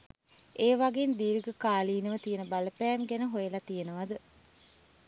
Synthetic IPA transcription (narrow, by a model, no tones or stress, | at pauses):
eːʋaɡend̪iːɾɡəkaːliːnəʋət̪ijenəbaləpæːmɡænəɦojəlat̪ijenəʋad̪ə